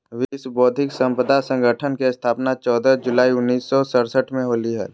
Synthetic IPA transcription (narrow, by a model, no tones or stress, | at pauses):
ʋisbɔːd̪ʱɪksə̃mpəd̪ʱasə̃ŋɡʱəʈʰənkest̪ʰaːpnat͡ʃɔːd̪əd͡ʒʊlaːiʊnːiːsːɔsəɾsəʈʰmẽɦoːliɦɛ̰ː